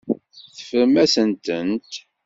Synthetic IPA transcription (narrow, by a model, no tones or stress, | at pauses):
θə̥fəɾmæsənt̪ənt̪